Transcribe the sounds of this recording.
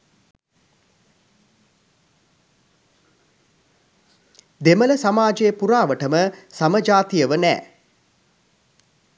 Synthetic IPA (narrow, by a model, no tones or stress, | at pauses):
d̪emələsamaːd͡ʒejəpuɾaːʋəʈəməsaməd͡ʒaːt̪ijəʋənɛ̰ː